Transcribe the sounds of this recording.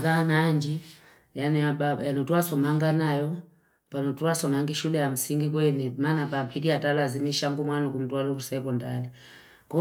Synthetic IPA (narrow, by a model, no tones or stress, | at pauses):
kanaːɲd͡ʒi | janɛabajanɔtuasɔmaŋɡanajɔ | panɔtuasɔmaŋɡiʃulɛjam̩siŋɡikwɛnɛmanapapʰidiatalazimiʃaŋɡumwanɔkum̩twalɔusɛpɔndali | kɔ